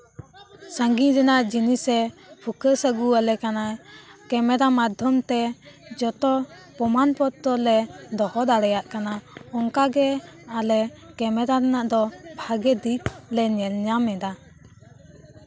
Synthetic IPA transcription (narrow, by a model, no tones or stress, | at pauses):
saŋɡiɾɛnaʔd͡ʒinisɛpʰukəsəɡualɛkanakɛmɛɾamad̪ʱjɔmt̪ɛd͡ʒɔt̪ɔ | pɔmanpɔt̪̚t̪ɔlɛd̪ɔhɔd̪aɽɛjaʔkanaɔŋkaɡɛalɛkɛmɛɾaɾɛnaʔd̪ɔbʱaɡɛd̪it̪̚lɛɲɛlɲamɛd̪a